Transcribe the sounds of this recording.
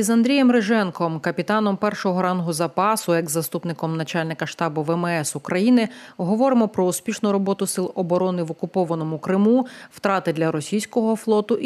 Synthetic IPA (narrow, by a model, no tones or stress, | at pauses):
izɐnd̪ɾʲijɛmɾeʒɛnkɔmkɐpʲit̪ɑnɔmpɛrʃɔɦɔɾɑnɦʊzɐpɑsʊɛɡzːɐst̪upnɪkɔmnɐt͡ʃalʲnɪkɐʃt̪ɑbʊʋɛmɛsʊkɾɐjinɪɦɔʋɔɾɪmɔpɾɔʊspʲiʃnʊɾɔbɔt̪ʊsɪlˠɔbɔɾɔnɪʋɔkʊpɔʋɐnɔmʊkɾɪmuw̥t̪ɾɑt̪ɪd̪lʲɐɾɔsʲijsʲkɔɦɔflˠɔt̪ʊʔ